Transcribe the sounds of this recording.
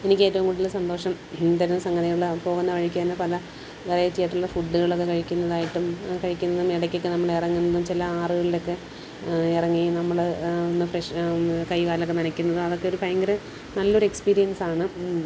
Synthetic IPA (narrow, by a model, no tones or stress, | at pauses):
e̞nikʲːeːtːɐʋuŋɡuɽilːsɐnd̪o̞ːʂɐm | t̪ɐɾɐnːɐsɐŋɡɐðɐjuɭːɐpo̞ːɣunːɐʋɐɻikʲːaːnːɐpɐlɐ | ʋirɐjɐt͡ɕːijaːʈːuɭːɐfuɖːɨɣɐɭo̞kːekɐɻikʲːunːɐðaːjiʈːumkɐɻikʲːunːɐðumiɽɐkʲːo̞kːenɐmːɐɭirɐŋːunːɐðumt͡ɕilɐaːrɨɣɐɭilo̞kːe̞ | irɐŋːinɐmːɐɭnːɨfreʂkɐjkaːlokːeninɐkʲːunːɐðɨmɐðo̞kːe̞o̞ɾupɐjɐŋɡɐɾɨ | nɐlːɐoɾe̞kspiːɾijɐnsaːɳɨ